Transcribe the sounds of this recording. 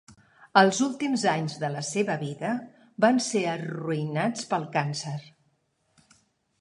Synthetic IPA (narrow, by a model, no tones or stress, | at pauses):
əlˠzulˠt̪imzaɲzðələseβəβiðə | banseəruinat͡spəlˠkansəɾ